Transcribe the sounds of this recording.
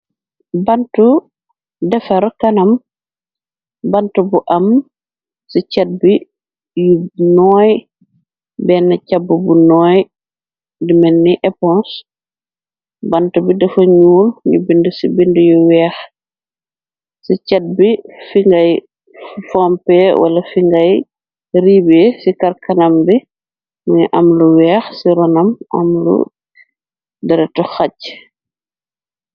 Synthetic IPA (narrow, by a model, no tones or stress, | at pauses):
bantu | dɛfɐɾkɐnɐm | bantubuʔam | sicɛt̚bi | junɔːj | bɛnːacabːubunɔːj | dimɛnːiʔɛpɔ̃ns | bantubidɛfɐɲuːlɲṵbindəsibindəjɔwɛːx | sicɐt̚bifiŋɡɐj | fɔmpɛwʔɐ̰lɐfiŋɡɐj | ɾiːbesikɐrkɐnɐmbi | mɐɲiʔɐmluwɛːxsiɾɔnɐmɐ̰mlṵ | dɐɾɛtɔxɐc